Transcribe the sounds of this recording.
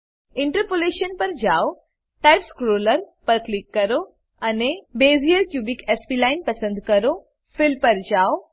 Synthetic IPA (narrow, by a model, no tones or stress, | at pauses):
ɪɳʈəɾpoleʃənpɐɾd͡ʒao | ʈajpskɾoləɾpəɾklikːɐɾo | ɐnebeːzijəɾkjuːbikespilaɪnpɐsə̃nd̪kɐɾo | fɪlpəɾd͡ʒaːo